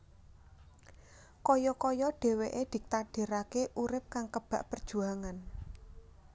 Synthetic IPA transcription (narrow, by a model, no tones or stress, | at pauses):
kɔjɔkɔjɔɖ̥e̤weʔed̪̥i̤k̚t̪aɖ̥e̤ɾakeʔuɾɪp̚kaŋkəb̥a̤ʔpərd̥ʒ̥ṳaŋan